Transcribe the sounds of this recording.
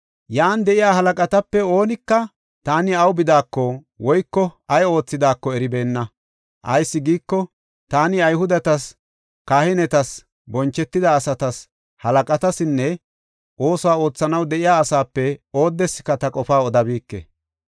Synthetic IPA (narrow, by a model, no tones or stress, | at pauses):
jaːnd̪ɛʔɪjaːɦɐlɐkʼɐt̪ɐpːɛo̞ːnɪkːɐ | t̪aːnɪɐwbɪd̪aːkːɔ | wɔjkːɔɐjo̞ːt͡sːɪd̪aːkːɔɛɾɪbe̞ːnːɐ | ʔɐjsːɪɡiːkːɔ | t̪aːnɪɐjɦʊd̪ɐt̪ɐs | kaːhɪnɛt̪ɐs | bɔnt͡ʃːɛt̪ːɪd̪ɐːsɐt̪ɐs | hɐlɐkʼɐt̪ɐsɪnːɛ | ʔo̞ːswaːo̞ːt͡sːɐnɐwd̪ɛʔɪjaːɐsaːpːɛo̞ːd̪ːɛsːɪ̥kːɐt̪ɐkʼɔfaːɔd̪ɐbiːkːḛ